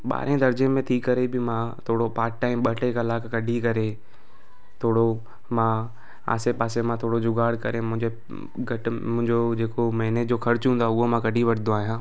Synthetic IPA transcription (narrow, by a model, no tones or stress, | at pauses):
ɓa̰ːɾẽd̪ɐɾd͡ʑẽmẽt̪ʰikɐɾebɪmãt̪ʰoːɽopaːɾkʈaːɪmɓɐʈekɐlaːkkɐɖʱikɐɾe | t̪ʰoːɽo | mã | a̰ːsepaːsemãt̪ʰoːɽod͡ʑʊɡaːɽkɐɾẽmʊ̃ɦɪ̃ɲd͡ʑe | ɡɐʈmʊ̃ɦɪ̃ɲd͡ʑod͡ʑeːkomɛɦned͡ʑoːxɐɾt͡ɕɦũnd̪aʊɦomãkɐɖʱiʋɐʈʰɪd̪oaːɦijãː